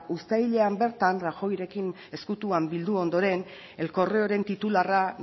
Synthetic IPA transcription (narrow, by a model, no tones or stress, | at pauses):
ust̪ajʎe̞ambe̞ɾt̪anraxo̞jɾe̞kin | e̞skut̪uambild̪uo̞nd̪o̞ɾe̞n | e̞lko̞reoɾe̞nt̪it̪ulara